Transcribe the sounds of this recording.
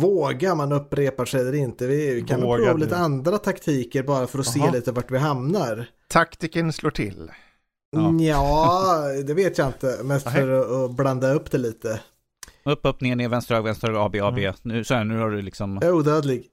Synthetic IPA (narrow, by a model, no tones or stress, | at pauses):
voːɡaɾmanɵpːɾeːpaʂɛɛlːəɾɪnt̪əvɪvɪkʰanɾuːliːt̪əand̪ɾat̪ʰakt̪ʰiːkəɾbɑːɾafœɾɔseːliːt̪əvaʈvɪɦamnaɾ | t̪ʰakt̪ɪkənsloːʈʰɪ̰l | jɑːd̪ɛveːt̪jaɪnt̪əmɛst̪fœɾɔːbland̪aɵpːd̪ɛliːt̪ə | ɵpːɔpnɪŋənɪvɛnst̪ɾœːɡvɛnt̪ɾøɡɑːbeɑːbeːnʉ̟ːsɔhæːɳʉ̟ːhaɖɵlɪksɔmjauːd̪øːd̪lɪɡ